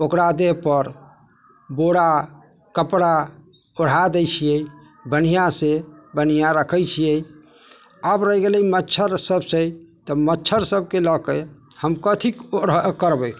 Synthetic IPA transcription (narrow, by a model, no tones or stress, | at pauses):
okɾad̪eɦpəɾ | boɽa | kəpɽa | oɽ̤ad̪əjt͡ʃʰijɛj | bənijasebənijaɾəkʰəjt͡ʃʰijɛ | əbɾəɦɡeləimətːt͡ʃʰəɾsəbsə̃t̪ɔmətːt͡ʃʰəɾsəb̚keləkehəmkət̪ʰikoɽəkəɾbəj